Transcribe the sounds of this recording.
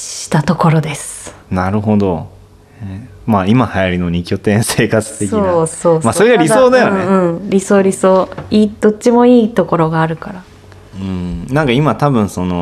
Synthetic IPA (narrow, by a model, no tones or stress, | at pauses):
ɕi̥t̪at̪o̞ko̞ɾo̞d̪e̞sɨ̥ | naɾɯ̟ɦo̞d̪o̞ | e | maimahajaɾʲinoɲ̟ikʲo̞t̪ẽ̞ɰ̃se̞ːkat͡sɨ̥t̪e̞kskiosoːsmaso̞ɾe̞ɡaɾʲiso̞ːd̪ajoneɯ̟̃ɴɾʲiso̞ːɾʲisoːiːd̪̥o̞t͡ɕːimo̞iːt̪o̞ko̞ɾo̞ɡaːɾɯ̟kaɾa | ɯ̃nãŋkaimat̪abɯ̟̃ɰ̃so̞no̞